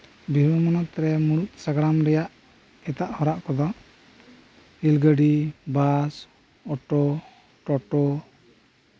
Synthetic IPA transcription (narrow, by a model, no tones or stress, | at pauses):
bibɔmɔnɔt̪ɾɛmuɾut̪̚saɡɽamɾɛjaʔ | ɛt̪aʔhɔɾaʔkɔd̪ɔ | ilɡəɖibas | ɔʈɔ | ʈɔʈɔ